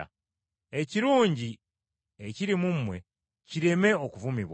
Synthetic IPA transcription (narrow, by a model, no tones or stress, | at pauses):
a̰ | e̞ciɾuːɲɟi | eciɾimumːwe̞̰ | ciɾe̞me̞okuvumiβwa